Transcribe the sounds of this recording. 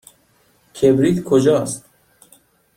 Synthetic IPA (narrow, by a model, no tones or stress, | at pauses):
kʲʰebɾiːt̪kʰod͡ʒɒːst̪